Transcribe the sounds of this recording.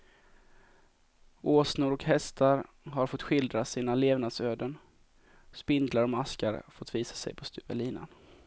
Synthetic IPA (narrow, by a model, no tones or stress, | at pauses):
ʔoːsnʊɾɔkhɛst̪ʰaɾ | ɦaɾfɔt̪ːɧɪld̪ɾasɪnanleːvnad̪søːd̪ən | spɪnd̪laɾɔmaska̰ɾfɔt̪ːviːsḁsɛ̰jpʰɔst̪ɵvɛliːnə̰n